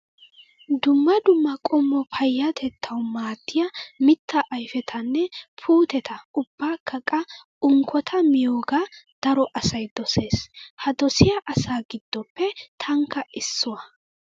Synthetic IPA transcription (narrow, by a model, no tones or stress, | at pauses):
d̪ʊmːɐd̪ʊmːɐkʼɔmːɔpʰɐjːɐt̪ʰɛt̪ʰːɐwmaːt̪ːɪjɐmɪt̪ːɐʔːjfɛt̪ʰɐnːɛpʰuːt̪ɛt̪ɐʊbːaːkːɐkʼːɐ | ʊŋkʰːɔt̪ʰɐmɪjoːɡad̪̥ɐɾɔʔɐsɐjd̪ɔse̞ːshɐd̪ɔsɪjɐʔɐsaːɡɪd̪̥ːɔpːɛt̪ʰɐŋkːɐʔɪsːʊwɐ